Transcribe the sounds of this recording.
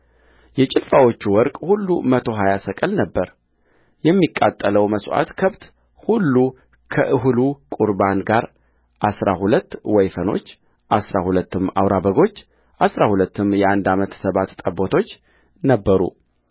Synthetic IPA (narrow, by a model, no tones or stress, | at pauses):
jɛt͡ʃʼɪlfawo̞t͡ʃːuwɔɾkʼhulːumət̪ʰo̞ɦajasəkʼɨlnəbːəɾ | jɛmːikʼːa̰t̪ʼːələwməswʔa̰t̪kʰəβt̪ | hulːu | kʰəʔɨhlukʼuɾbanɡaɾ | ʔasɾa̰hulət̪ːwɔjfəno̞̰t͡ʃː | ʔasɾahulət̪ʰːɨma̰wɾabəɡo̞t͡ʃː | ʔasɾahulət̪ːɨmjɛand̪amət̪səβat̪t̪ʼəbot̪ʰo̞t͡ʃː | nəbːəɾṵ